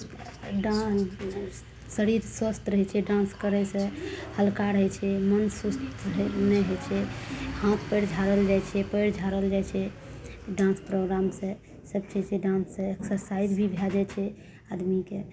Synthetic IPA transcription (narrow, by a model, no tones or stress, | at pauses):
ɖa | səɾiɾswəst̪ɾəɦɛt͡ʃʰɛɖãnskəɾɛsẽhəlkaɾɦɛt͡ʃʰɛmənsust̪əɦɛnɛɦəjt͡ʃʰɛhãt̪pəjɽd͡ʒʱaɾəld͡ʒajt͡ʃʰɛpəjɽd͡ʒʱaɾəld͡ʒajt͡ʃʰɛ | ɖãnspɾoɡɾamsẽ | səb̚t͡ʃʰɛsɛɖãnsẽeksəsaiɾbʱibʱjad͡ʒɛt͡ʃʰɛ | ad̪mike